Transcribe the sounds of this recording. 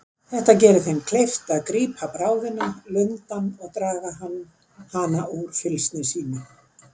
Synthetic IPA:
θɛht̪acɛːɾʏθejnːkʰlejft̪aðkɾiːpʰapɾaːwðɪnalʏnt̪anɔɣt̪ɾaːɣaɦan | haːnaʔuɾ̥fɪlst̪nɪsiːnʏ

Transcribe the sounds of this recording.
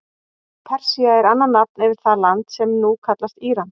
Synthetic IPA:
pʰɛr̥siaɛɾanːanːap̚nɛvɪɾ̥θalant̪sɛmnukʰat̪last̪iːɾan

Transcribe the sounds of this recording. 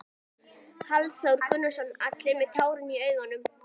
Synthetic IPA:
halsœwɾ̥kʰʏnːʏ̥sɔnat̪lɪmɛðt̪ʰaːwɾʏmiœːɥɣanːʏm

